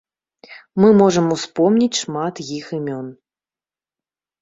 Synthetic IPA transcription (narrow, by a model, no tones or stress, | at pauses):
mɨmɔʐɐmuspɔmnʲit͡sʲʂmat̪jixɨmʲɔn